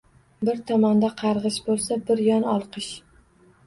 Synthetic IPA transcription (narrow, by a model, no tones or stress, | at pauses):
bɪɾt̪ʰɒmand̪aqʰɑɾʁɨʃbolˠsabɪɾjɒnɒlˠqʰɨʃ